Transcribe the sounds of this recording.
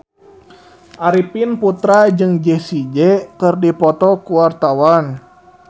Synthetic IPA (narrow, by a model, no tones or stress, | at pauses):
ʔaɾipinput̪ɾad͡ʒɨŋd͡ʒɛsid͡ʒɛkɨrdipɔt̪ɔkuwart̪awan